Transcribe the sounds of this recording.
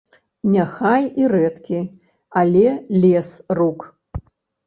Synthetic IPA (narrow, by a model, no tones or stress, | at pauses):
nʲaxajiɾɛt̪kʲi | alʲɛlʲɛsruk